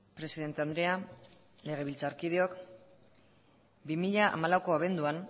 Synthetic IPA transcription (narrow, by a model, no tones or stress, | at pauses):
pɾe̞siðe̞nt̪e̞and̪ɾe̞a | le̞ɣ̞e̞βilt͡saɾkiðeo̞k | bimiʎaʔa̰malawko̞aβ̞e̞nd̪uan